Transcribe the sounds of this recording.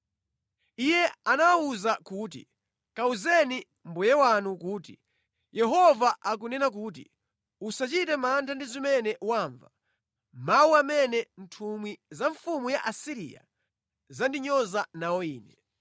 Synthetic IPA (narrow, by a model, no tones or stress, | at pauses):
ijɛanaauzakuːt̬ḭ | kauzɛni | m̩bujɛwanukuːt̬i | jɛɦɔvaʔak̬unɛnak̬uːt̬ḭ | usat͡ʃitɛmantʰandizimɛnɛʔuwaːɱva | mawuamɛnɛn̩tʰumwizaɱfumujaʔasiɾḭja̰ | zandiɲɔzanawɔiːnɛ